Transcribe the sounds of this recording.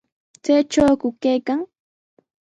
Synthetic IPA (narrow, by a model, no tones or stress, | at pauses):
t͡sajʈ͡ʂawkʊkajkaŋ